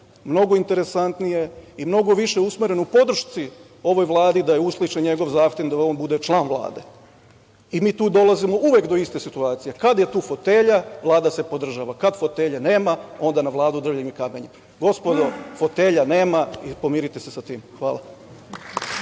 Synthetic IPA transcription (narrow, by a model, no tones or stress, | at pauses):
mno̞ɡo̞int̪e̞ɾe̞sant̪nije̞imno̞ɡo̞ʋiʃeusmeɾe̞nupo̞d̪r̩ʃt̪si | o̞ʋo̞jʋlˠaːd̪id̪ajeuslˠit͡ʃenɲe̞ɡo̞ʋzaːxt̪e̞nd̪aoːnbud̪et͡ʃlˠaːnʋlˠa̰ːd̪e̞ | imiːt̪uːd̪o̞lˠazimo̞ʔuʋekd̪o̞ist̪esit̪uaːt̪sije̞kad̪je̞t̪uːfo̞t̪e̞ʎaʋlˠaːd̪ase̞po̞d̪r̩ʒaʋakad̪fo̞t̪eʎene̞ːmao̞nd̪anaʋlˠaːd̪ud̪r̩ʋʎemikame̞ɲem | ɡo̞spo̞d̪o̞fo̞t̪eʎane̞ːmaipo̞miːɾit̪ese̞sat̪iːmxʋaːla